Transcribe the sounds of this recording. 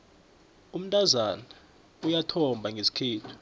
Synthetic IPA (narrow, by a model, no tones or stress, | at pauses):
um̩tʼazana | ujatʰɔmbʱaŋɡʱesi̥kʰeːtʰu̥